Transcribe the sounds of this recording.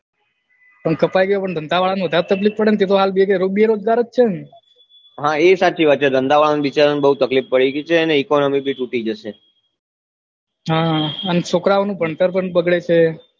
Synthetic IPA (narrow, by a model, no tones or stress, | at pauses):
pəɳkəpajɡəjopəɳd̪ʱənd̪aʋaɭanʋəd̪ʱaɾet̪əklifpəɽenet̪et̪oɦalbiekeɾobieɾod͡ʒɡaɾətt͡ʃʰen | ɦãesat͡ʃʰiʋat͡ʃed̪ənd̪aʋaɭaniʋit͡ʃaɾnibəɦut̪əklifpəɽiɡit͡ʃʰeəneikonomibʱiʈuʈid͡ʒəʃe | ɦãənsokɾaʋonũbʱəɳt̪əɾp̬əɳbəɡɭet͡ʃʰe